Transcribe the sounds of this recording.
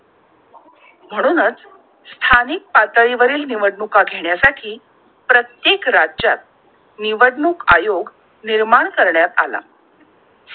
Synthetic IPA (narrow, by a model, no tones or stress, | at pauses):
m̤əɽ̃uːnət͡s | st̪ʰanik̚pat̪əɾiʋəɾiːlniʋəɽɳukaɡʱeɳjasaʈʰiː | pɾət̪jekɾad͡ʑat̪̚ | niʋəɽɳuka̰joɡ | niɾmaɳkəɾɳjat̪ala̰